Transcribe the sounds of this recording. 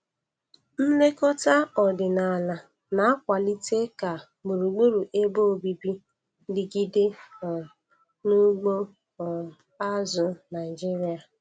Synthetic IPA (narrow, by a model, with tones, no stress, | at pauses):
n̩˦le˦kɔ˦ta˦ɔ˨dɪ˨na˨la˨ | na˨a˦kʷa˨li˦te˦ka˨ | mu˨ɾu˨ɡ͡bo˦ɾu˨ʔe˦bo˦o˨bi˨bi˦ | dɪ˨ɡi˦de˦˨ | nʊ˦ɡ͡bo˦˨ | a˦zʊ˨na˨ɪ˨d͡ʒi˦ɾi˦a˨